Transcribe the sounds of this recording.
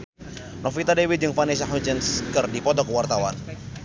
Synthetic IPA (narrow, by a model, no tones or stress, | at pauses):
nɔfit̪adewit̪̚d͡ʒɨŋfanis̬aɦut͡ʃɛnskɨrdipɔt̪ɔkəwart̪awan